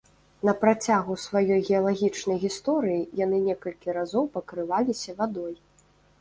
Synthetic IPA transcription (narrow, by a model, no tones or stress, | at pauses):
nɐpɾat͡sʲaɣusvajɔjɣʲɛɐlˠaɣʲit͡ʂnɐjɣʲist̪ɔɾɨjijanɨnʲɛkɐlʲkʲiɾazɔwpɐkɾɨvalʲisʲɐvad̪ɔj